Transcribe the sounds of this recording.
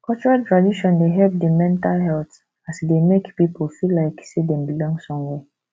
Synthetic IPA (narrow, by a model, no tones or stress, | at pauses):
kʰɔlt͡ʃɔɹaltɹadiʃɔ̃ndeɦɛlp̚demɛ̃ntalɦɛlt | asdemekpipolfilːaɪksedɛ̃mbilɔ̃ŋɡsɔ̃mwɛ